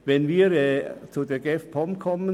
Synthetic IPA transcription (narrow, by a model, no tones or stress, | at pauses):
vɛnviːʁɛt͡sudeːɐɡɛfpʰɔmkʰɔmə